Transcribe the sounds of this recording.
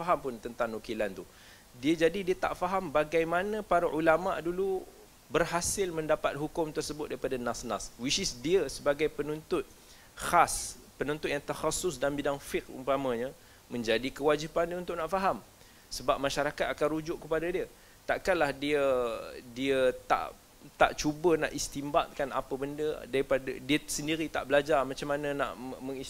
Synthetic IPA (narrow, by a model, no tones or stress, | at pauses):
faɦampʊnt̪ənt̪aŋnukilant̪u | diəd͡ʒadidiət̪a̰ʔfaɦambaɡajmanə̃paɾaʔulama̰ʔdulu | bərhasɪlmə̃ndapat̪̚ɦukʊmt̪ərsəbʊt̪̚daɾipadanasnaswisɪsdiəsəbaɡajpənunt̪ʊt̪̚ | xas | pənunt̪ʊt̪jaŋt̪axasʊsdanbidaŋfɪkṵmpaməɲə | mə̃ɲd͡ʒadikəwad͡ʒipandiəunt̪ʊʔnaʔfaɦam | səbap̚maʃaɾakat̪̚akanrud͡ʒʊʔkəpadadiə | t̪aʔkanlahdiədiət̪a̰ʔ | t̪a̰ʔt͡ʃubəna̰ʔist̪imbaʔ̪kana̰pəbəndədaɾipadədiəsəndiɾit̪aʔbəlad͡ʒarmat͡ʃamːanə̃na̰ʔməŋi